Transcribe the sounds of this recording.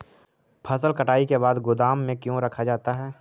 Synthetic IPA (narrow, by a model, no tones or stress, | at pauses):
pʰəsəlkəʈaːikebaːd̪ɡʊd̪aːmːẽkjõɾɐkʰad͡ʒaːt̪aɦɛː